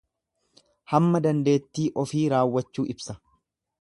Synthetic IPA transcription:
hɐmːɐd̪ɐnd̪e̞ːt̪ːiːʔɔfiːɾaːwːɐt͡ʃːuːʔɪbsɐ

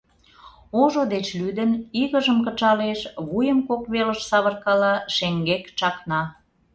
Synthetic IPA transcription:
oʒod̪et͡ɕlyd̪əniɣəʒəmkət͡ʃɑleʃβujəmkokβeləʃsɑβərkɑlɑʃeŋɡekt͡ʃɑknɑ

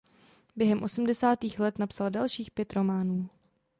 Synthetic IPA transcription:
bjɛɦɛmʔo̞sm̩dɛsaːt̪iːxlɛt̪napsaldalʃiːxpjɛt̪ɾo̞maːnuː

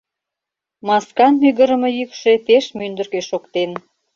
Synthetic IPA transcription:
mɑskɑnmyɣə̆ɾə̆mɤ̆jykʃe̽t̪eʃmynd̪ərkeʃokt̪en

